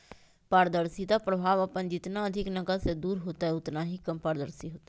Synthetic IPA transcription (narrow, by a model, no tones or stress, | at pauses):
paːɾd̪əɾsid̪apɾɐbʱaːʋɐpənd͡ʒɪt̪naɐd̪ʱɪknɐɡəsed̪uːɾɦoːt̪aɦɛʊt̪naɦikɐmpaːɾd̪əɾsiɦoːt̪ḁ